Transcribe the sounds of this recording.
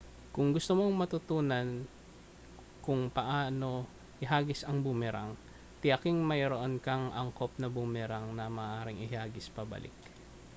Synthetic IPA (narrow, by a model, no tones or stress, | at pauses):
kʊŋɡʊst̪omo̞ŋmɐt̪ʊt̪uːnɐn | kʊŋpɐʔaːno̞ | hɪɦaːɡɪsɐŋbʊmɛɾa̰ŋ | t̪ɪjɐkɪŋmɐjɾoʔonkɐŋʔɐŋkop̚nɐbʊmɛɾɐŋnɐmɐʔːʔaːɾɪŋɪhaːɡɪspɐbɐ̰lʔɪ̰k